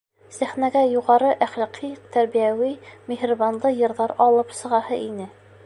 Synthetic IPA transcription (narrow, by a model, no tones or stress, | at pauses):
sæχnæɡæjuʁɑɾɤʔæχlɑqʰit̪æɾbijæwimʲehrβanlˠɤjɤ̆ɾðɑɾɒlˠɤpsɤ̆ʁɑhɤʔinɘ